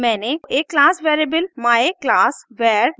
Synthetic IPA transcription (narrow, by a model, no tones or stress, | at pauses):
mɛ̃ːneekːlaːsʋɛːɾebəlmaːeklaːsʋɛːɾ